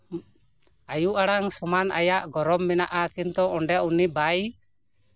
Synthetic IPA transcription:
ajuʔaɽaŋsɔmana̰jaʔɡɔɾɔmːɛnaʔakint̪ɔɔɳɖɛʔunibaj

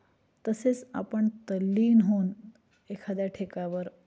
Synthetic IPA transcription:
t̪əset͡sa̰pəɳt̪əlːiːnɦon | ekʰad̪jaʈʰekaʋəɾ

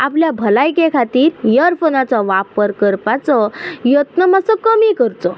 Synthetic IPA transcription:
apljabʱəlajkekʰat̪iːɾjəɾfonat͡sɔʋapəɾkəɾpat͡sɔjət̪nəmasɔkəmikəɾt̪ɔ

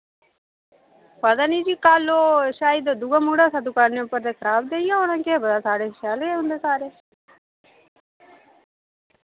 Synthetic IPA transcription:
pəd̪aːniːd͡ʒiːkaːloːʃaːɪd̪d̪uːɡãːmuːɽaːsəd̪uːkaːɾnẽːʊpəɾd̪eːkʰəɾaːbd̪eːɪjãːonãːkeːbəd̪aːsaːɽeːʃaːleːɦʊnd̪eːsaːɾeː

